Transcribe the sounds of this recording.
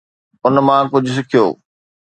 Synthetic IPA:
ʊnmãːkʊd͡ʑʱʊs̬ɪkʰijo̰ː

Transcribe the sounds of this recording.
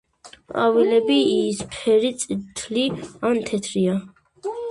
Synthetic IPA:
qʼavilɛbiːspʰɛɾit̪sʼit̪ʰliant̪ʰɛt̪ʰɾia

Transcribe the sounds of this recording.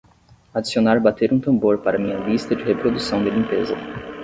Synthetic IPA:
ad͡ʒisionaɾbat̪eɾũt̪ɐ̃mboɾpaɾɐmĩɲɐvist̪ɐd͡ʒɪhepɾod̪usɐ̃w̃d̪ɪlĩmpezɐ

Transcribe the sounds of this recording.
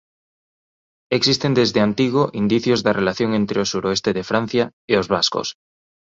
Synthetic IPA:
eksist̪end̪ezðeant̪iɣ̞oʔind̪iθjozðarʔelaθjoŋent̪ɾeosuɾoest̪eðefɾan̟θjaeozβasko̰s

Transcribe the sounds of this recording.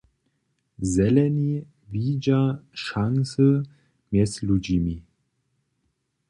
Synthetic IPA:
zɛlɛni | viːd͡ʒaʃaŋsə | mɛslud͡ʒimi

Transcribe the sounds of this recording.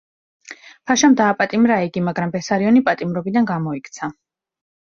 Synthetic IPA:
pʰaʃamd̪aːpʼat̪ʼimɾaiɡimaɡɾambɛsaɾiɔnipʼat̪ʼimɾɔbid̪anɡamɔikʰt̪sʰa

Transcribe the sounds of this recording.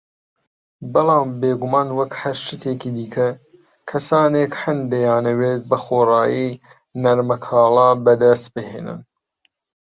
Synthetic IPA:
bɨlˠɑːmbeːɡumɑːnwɐkhɐɾʃɨt̪ʰeːkiːd̪iːkʰɐ | kʰɐsaːneːkhɐnd̪ejɑːnɐweːt̪̚bɐxoːrɑːji | nɐɾmɐkʰɑːlˠɑːbɐd̪ɐst̪̚bɨhḛːnɨ̰n

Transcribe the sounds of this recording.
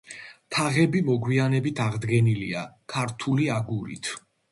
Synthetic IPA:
t̪ʰaʁɛbimɔɡwianɛbit̪ʰaʁd̪ɡɛniliakʰaɾt̪ʰuliaɡuɾḭt̪ʰ

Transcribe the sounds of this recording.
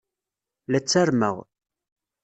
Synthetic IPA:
læt͡sːæɾmə̰ʁ

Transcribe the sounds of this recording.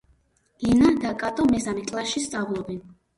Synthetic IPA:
inad̪akʼat̪ʼɔmɛsamɛkʼlˠasʃist̪sʼavlˠɔbɛn

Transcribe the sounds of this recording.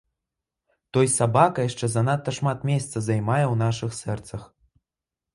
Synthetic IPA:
t̪ojsabɑkaeʃt͡ʃezanɑt̪ːɑʃmɑt̪mʲest̪t͡səzɑjmɑjawnɑʃɨxsɛrt̪t͡səx

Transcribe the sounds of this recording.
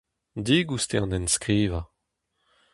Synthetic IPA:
d̪iːɡust̪eɑ̃nɛnskʁiːva

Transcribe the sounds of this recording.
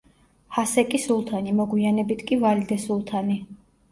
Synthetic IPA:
hasɛkʼisulˠt̪ʰanimɔɡwianɛbit̪ʰkʼivalid̪ɛsulˠt̪ʰani

